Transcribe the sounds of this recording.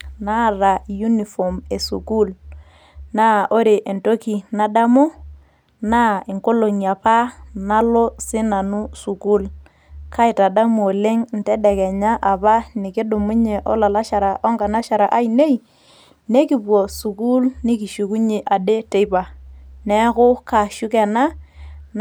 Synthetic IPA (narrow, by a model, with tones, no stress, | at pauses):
na˦˨ɾa˨ju˦ni˨fɔ˨me˨sṵ˨ku˦l | na˦ʔo˦ɾe˨ʔe˨nto˦ki˨na˦da˦mu˦ | na˦e˨ŋko˦lo˨ŋi˨a˨pa˦na˦lo˦sɪ˦na˨nu˦su˨ku˦l | ka˦ɪ˨ta˨da˦mː˨le˦ŋn̩˨˦tɛ˦dɛ˨kɛ˨ɲa˦ʔa˨pa˦ni˨kɪ˦dʊ˨mʊ˦ɲe˨ʔɔ˦la˨la˦ʃa˨ɾa˨ʔɔ˦ŋka˨na˦ʃa˨ɾa˨ʔa˦i˨ne˦i˨ | ne˦ki˦pwɔ˨su˨ku˦lni˦ki˨ʃu˨ku˦ɲe˨ʔa˨de˦te˦jpa˨nɛ˦kʊ˦ka˨ʃu˦kɛ˨na˦n